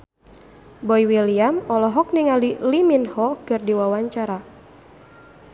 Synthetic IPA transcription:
bɔjwiliamɔlɔɦɔk̚niŋaliliminhɔkɨrdiwawaɲt͡ʃaɾa

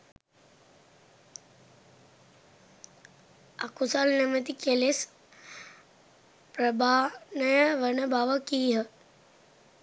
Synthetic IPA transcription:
akusalnemət̪̬ikeles | pɾəbʱanəjəʋənəbʱaʋəkiːɦə

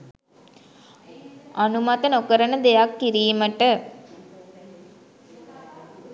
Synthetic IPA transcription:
anumat̪ənokəɾənəd̪ejakːiɾiːməʈə

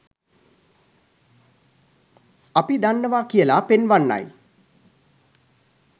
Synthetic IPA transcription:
apid̪anːəʋakijəlapenʋanːa̰j

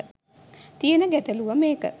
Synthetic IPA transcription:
t̪ijenəɡæt̪əluʋəmeːkə̰

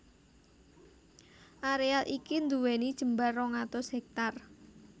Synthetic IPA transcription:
ʔaɾealʔikind̪uwenid̥ʒ̥ə̤mbarɔŋat̪osɦɛk̚t̪ar

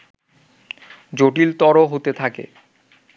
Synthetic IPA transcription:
d͡ʑoʈilt̪ɔɾoɦot̪et̪ʰakḛ

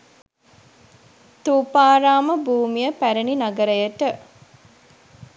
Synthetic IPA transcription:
t̪uːpaːɾaːməbuːmijəpæɾəninaɡəɾəjəʈə

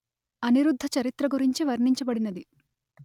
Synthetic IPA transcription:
ɐniɾud̪ʱːɐt͡ʃɐɾit̪ɾɐɡuɾiɲt͡ʃiʋɐɾɳiɲt͡ʃɐbɐɽinɐd̪i

